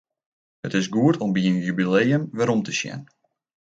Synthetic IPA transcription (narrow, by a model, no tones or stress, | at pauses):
hətɪsɡuətʰɔmbiənjybilejəmʋɛɾɔmtəsjɛ̰n